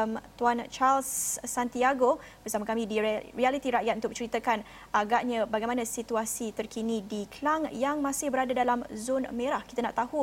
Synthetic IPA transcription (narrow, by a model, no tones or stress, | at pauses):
mt̪uant͡ʃalsːant̪iaɡobərsamãkamĩdirialit̪iɾaʔjat̪̚unt̪ʊk̚ət͡ʃəɾit̪akan | aɡaʔɲãbaɡajmanãsit̪uasit̪ərkinidikəlaŋjaŋmãsɪhbəɾadadalamzonmẽɾahki̥t̪anaʔt̪ahu